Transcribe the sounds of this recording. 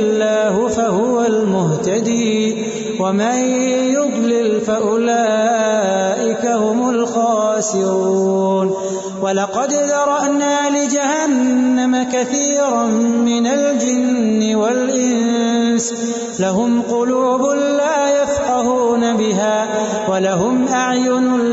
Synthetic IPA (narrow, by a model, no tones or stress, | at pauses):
lːaːhʊfahʊwalmʊht̪ad̪iː | wamajʊd̪ˤlɪlfaʔʊlaː | ʔɪkahʊmʊlxɑːsɪɾɾuuːn | walɑqɑd̪d̪ɑɾˤɑʔnaːlɪd͡ʒahanːamakaθiːɾmɪnald͡ʒɪnːɪwalʔɪns | laɦʊmqʊluːbʊlaːjafqɑhuːnabɪɦaː | walahʊmʔaʕjʊn